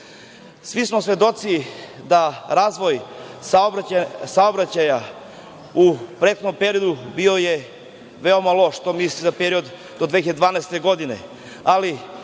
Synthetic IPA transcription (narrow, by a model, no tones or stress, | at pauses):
sʋismo̞sʋe̞d̪o̞t̪sid̪aɾaːzʋo̞jsasaobɾat͡ɕaja | upɾet̪̚xonompe̞ɾio̞d̪ubio̞je | ʋe̞omalˠo̞ʃt̪omislizapeɾio̞d̪ | d̪od̪ʋeçad̪ed̪ʋaːnɛst̪e̞ɡo̞d̪inḛ | ali